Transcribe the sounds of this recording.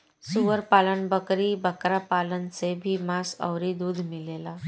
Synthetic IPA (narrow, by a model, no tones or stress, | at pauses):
suʋəɾpalənbəkɾiːbəkɾapalənt͡sebʱiːmasə̰wɾid̪uːd̪ʱmilela